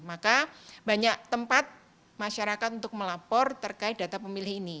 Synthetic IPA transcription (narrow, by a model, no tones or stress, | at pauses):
makabaɲaʔt̪əmpat̪̚ | maʃaɾakat̪unt̪ʊk̚məlapɔrt̪ərkaɪt̪̚d̥a̤t̪apəmilɪɦini